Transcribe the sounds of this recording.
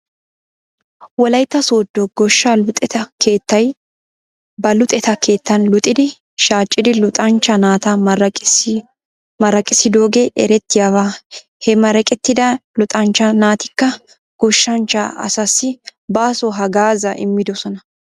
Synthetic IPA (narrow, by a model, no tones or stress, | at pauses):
wɔlɐjt̪ːɐsoːd̪ːɔɡɔʃːɐlʊt̪ʼɛt̪ɐkeːt̪ːɐj | bɐlʊt̪ʼɛt̪ɐkʰeːt̪ːɐnlʊt̪ʼɪd̪ɪ | ʃaːt͡ʃʼːɪd̪ɪlʊt̪ʼɐnt͡ʃːɐnaːt̪ɐmɐ | mɐɾɐkʼɪsɪd̪oːɡɛʔɛɾɛt̪ːɪjawaː | hɛmɐɾɛkʼɛt̪ːɪd̪ɐlʊt̪ʼɐnt͡ʃːɐnaːt̪ɪkːɐ | ɡ̥ɔʃːɐnt͡ʃːɐ̰ɐ̰sɐsːɪbaːsɔɦɐɡaːzɐʔɪ̰mːɪd̪ɔsɔnɐ